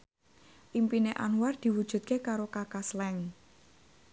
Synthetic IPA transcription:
ʔimpineʔa̰nward̪̥i̤wud̥ʒ̥ṳt̪̚kekaɾokakaslɛŋ

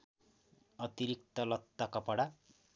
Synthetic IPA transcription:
ʌt̪iɾik̚t̪ʌlʌt̪ːakʌpʌɽa

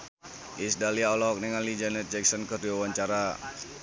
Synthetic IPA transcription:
ʔisdaliaɔlɔk̚nɛŋanlid͡ʒɛnɛt̪̚d͡ʒɛk̚sɔnkərdiwawaɲt͡ʃaɾa

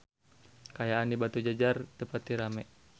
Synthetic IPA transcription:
kajaʔanibat̪ud͡ʒad͡ʒardəpat̪iɾamɛʔ

